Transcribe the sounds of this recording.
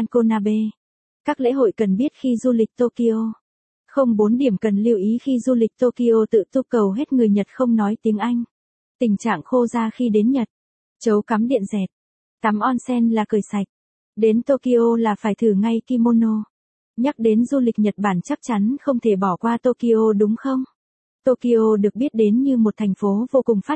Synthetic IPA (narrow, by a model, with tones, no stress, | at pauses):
a˧nko˧naː˧ɓe˧ | kaː˦˥k̚lḛ˧˥ɦo̰˧˨jkə˨˩nɓi˦˥ət̚xi˧zu˧lï˨˩k̚t̪o˧ki˧ʔo˧ | xə˧wŋ͡mɓo˨˦nɗi˧˩əmkə˨˩nli˧əwʔi˨˦xi˧zu˧lï˨˩k̟̚t̪o˧ki˧ʔo˧t̪ɨ̰˧˨t̪u˧kə˨˩wɦe˦˥t̚ŋɨ˨˩əjɲə˨˩t̚xə˧wŋ͡mnɔ˨˦jt̪i˨˦əŋʔa˧jŋ̟ | t̪ï˨˩ŋ̟t͡ɕa̰ː˧˨ŋxo˧zaː˧xi˧ɗe˨˦nɲə˨˩t̚ | t͡ɕə˨˦wka˨˦mɗḭ˧˨ənzɛ˨˩t̚ | t̪a˨˦mʔɔ˧nsɛ˧nlaː˨˩kɨː˨˩jsa˨˩jk̚ | ɗe˨˦nt̪o˧ki˧ʔo˧laː˨˩faː˧˩jt̪ʰɨ˧˩ŋa˧jki˧mo˧no˧ | ɲa˦˥k̚ɗe˨˦nzu˧li˨˩k̚ɲə˨˩t̚ɓaː˧˩nt͡ɕa˦˥k̚t͡ɕa˨˦nxə˧wŋ͡mt̪ʰe˧˩ɓɔ˧˩kwaː˧t̪o˧ki˧ʔo˧ɗʊ˨˦ŋ͡mxə˧wŋ͡m | t̪o˧ki˧ʔo˧ɗɨ˨˩ək̚ɓi˦˥ət̚ɗe˨˦nɲɨ˧mo˨˩t̚t̪ʰŋ̟fo˨˦vo˧kʊ˨˩ŋ͡mfaː˦˥t̚